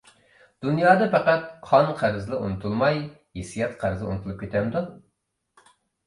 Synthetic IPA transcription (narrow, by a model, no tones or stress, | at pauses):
d̪̥unjɑːd̪ɑpɛqæt̪̚qʰɑnqʰæɾɨzlˠɨunut̪ʰulˠmɑj | hesijɛt̪qʰæɾzɨṵnɨt̪ʰulˠup̚kʲʰet̪ʰɛmd̪u